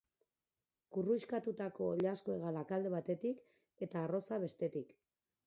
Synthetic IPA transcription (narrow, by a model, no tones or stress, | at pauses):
kurujʃkat̪ut̪ako̞ʎaskoeɣalakald̪e̞β̞at̪e̞t̪ik | e̞t̪aːro̞saβe̞st̪e̞t̪ik